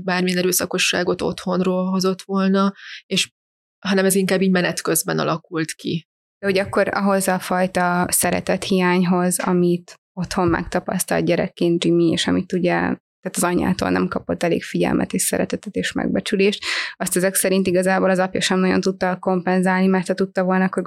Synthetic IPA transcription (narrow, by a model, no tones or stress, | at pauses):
baːrmijɛnɛɾøːsɒko̞ʃːa̰ːɡo̞t̪o̞̰t̪ho̞nroːlɦo̞zo̞t̪ʋo̞lnɒeʃ | ɦɒnɛmɛziŋkaːbiːɟmɛnɛt̪kø̞zbɛnɒ̰lɒkult̪kḭ | d̪̥ɛɦoɟɒkːo̞ɾɒ̰ɦo̞zɒfɒjt̪ɒsɛɾɛ̰t̪ɛt̪hijaːɲɦo̞zɒ̰mit̪ | o̞t̪ho̞mmɛ̰kt̪ɒpɒ̰st̪ɒ̰ld̪̚ɟɛɾɛ̰kːeːnd͡ʒimiḛːʃɒmit̪uɟɛ̰ | t̪aːt̪ɒzɒɲːa̰ːt̪o̰ːlnɛ̰mkɒpot̪ːɛlḛːkfiɟɛ̰lmʔɛ̰t̪eːʃsɛ̰ɾɛt̪ɛt̪ɛt̪eːʃmɛ̰ɡ̚bɛt͡ʃyleːʃt̪ɒst̪ɛzɛksɛɾint̪iɡɒzaːbolɒzɒpjɒʃɛmnɒɟo̞̰nt̪ut̪ːɒko̞mpɛnzaːlnimɛrt̪hɒt̪ut̪ːɒvo̞lnɒkːoɾ